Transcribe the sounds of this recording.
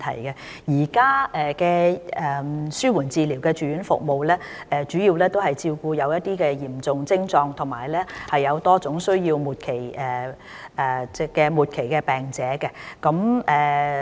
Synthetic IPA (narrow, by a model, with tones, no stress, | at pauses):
t̪ʰɐ̰˨˩jkɛ˧ | jiː˨˩kaː˥ɛ˨˧kɛː˧ɛ˨syː˥wuː˨˩nt͡siː˨˧li˨˩wkɛː˧t͡ʃyː˨jyː˨˥nfʊ̰˨k̚mo˨wlɛː˥ | ɛː˨˧t͡ʃy˨˥jiː˧wlɛː˥t̪o˥whɐ˨jt͡siː˧wkuː˧jɐ˨˧wjɐ˥t̚t̪iː˥kɛː˧jiː˨˩mt͡sʊ˨ŋt͡sɪ˥ŋt͡sɔː˧ŋt̪ʰʊ˨˩ŋmaː˨˩jlɛː˥hɐ˨jːɐ˨˧wt̪ɔː˥t͡sʊ˨˥ŋsɵ˥ɥjiː˧wmuː˨t̚kʰe˨˩jɛ˨˩ | ɛ˨t͡sɛ˥kɛː˧muː˨t̚kʰe˨˩jkɛ˧pɛː˨˩ŋt͡sɛː˨˥kɛ˧kɐ˨˥mʔɛː˨˩